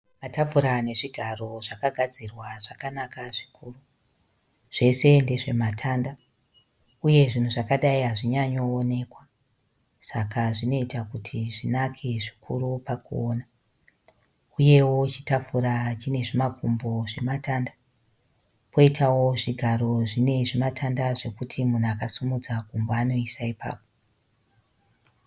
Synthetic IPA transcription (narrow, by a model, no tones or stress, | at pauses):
matafuɾane̞ʐiɡʱaro̞ʐakaɡʱad͡zirwaʐakanakaʐikʰuːru | ʐ̥e̞se̞nde̞ʐe̞matʰanda | uje̞ʐin̤uʐakaɗaiɦaʐiɲaɲo̞ːne̞kwa | sakʰaʐino̞itakutʰiʐinakʰeʐikʰuɾupakuoːna | uje̞wo̞t͡ʃitafuɾat͡ʃine̞ʐimakumbo̞ʐe̞matanda | po̞itʰawo̞ʐiɡʱaɾo̞ʐine̞ʐimatʰandaʐe̞kutʰimun̤uakasumud͡zakumboano̞isaipa̰ːpo̥